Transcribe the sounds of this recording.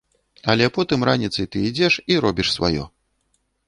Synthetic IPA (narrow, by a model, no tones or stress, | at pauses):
ɐlʲɛpɔt̪ɨmɾanʲit̪sɨjt̪ɨid͡zʲɛʂiɾɔbʲiʂsva̰jɔ̰